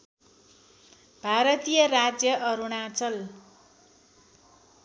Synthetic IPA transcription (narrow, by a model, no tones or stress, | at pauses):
b̥ʱaɾʌt̪ijʌɾad͡zjʌʔʌɾuɽ̃at͡sʌl